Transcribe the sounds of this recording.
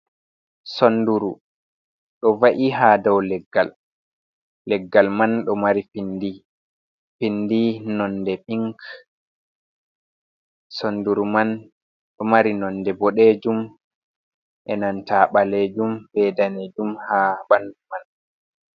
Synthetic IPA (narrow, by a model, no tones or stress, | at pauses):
sonduɾu | ɗɔvaʔiɦadɔwlɛɡːa̰l | ɛɡːalmanɗɔmaɾifindi | findinɔndɛpiŋk | sonduɾuman | ɗɔmaɾinɔndɛbɔɗed͡ʒum | ʔɛnantaːɓaled͡ʒumbɛːdaned͡ʒumhabanduman